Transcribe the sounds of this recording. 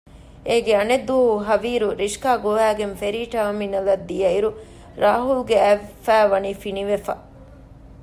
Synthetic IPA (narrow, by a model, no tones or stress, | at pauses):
eːɡeɐned̪ːuɐɦuɦɐʋiːɾuɾiʃkaːɡoʋæːɡenfeɾiːʈɐɐminɐlɐd̪ːijɐiɾu | ɾaːɦulɡeæfæːʋɐniːfiniʋefɐ